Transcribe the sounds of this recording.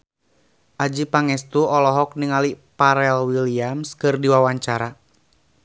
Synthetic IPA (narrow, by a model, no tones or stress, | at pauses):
ʔad͡ʒipaŋɛst̪uɔlɔɦɔk̚niŋalipaɾɛlwiliamskɨrdiwawaɲt͡ʃaɾa